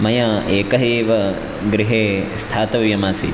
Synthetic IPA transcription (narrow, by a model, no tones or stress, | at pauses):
mɐjɐeːkɐɦeːʋɐ | ɡɾiɦeːst̪ʰaːt̪ɐʋʋjɐmaːsḭ